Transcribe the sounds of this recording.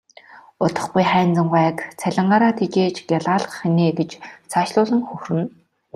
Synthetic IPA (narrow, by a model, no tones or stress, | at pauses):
ʊt̪ə̆χɡujχæːnt͡sə̆mɢæːkt͡sʰæɮʲɪ̆ɴɢaːɾaːt̪ʰet͡ɕeːt͡ɕɡjaɮʁaːɮə̆χxeneːt̪ĕt͡ɕt͡sʰaːʃɮʊːɮɘ̆ŋxɵxrɘ̆n